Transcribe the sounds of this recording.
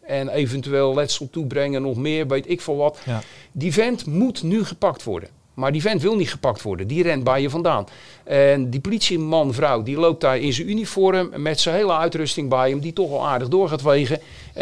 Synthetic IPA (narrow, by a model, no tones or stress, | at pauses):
ɛnejvəntyʋeːlˠlɛtsəlˠtubrɛŋənɔxmɪːɹʋejtɪkfɔlˠʋɑtdivɛntmutnyɣəpɑktʋɔ̰ɹdə̰n | maɹdivɛntʋɪlˠnitχə̥pɑk̚tʋɔ̰ɹdəndirɛntbɛjəvɑndaːn | ʔɛndipolitsimɑnvrawdilowp̚tarɪnzənynifɔɾəmːɛtsənɦejlˠəœɥtrɵstɪŋbɛjəmditɔxʋɔlˠaːɹdəɣdʊːɹχaːtʋejɣə